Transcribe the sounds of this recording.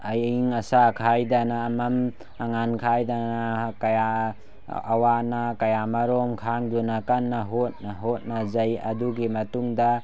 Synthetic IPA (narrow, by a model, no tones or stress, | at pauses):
ajiŋɐsakʰajdanaːmam | aŋankʰajdanaakajaː | wanakɐjamaɾɔmkʰaŋdunakanːaɦot̚naɦot̚nazajɐ̰duɡimɐtuŋda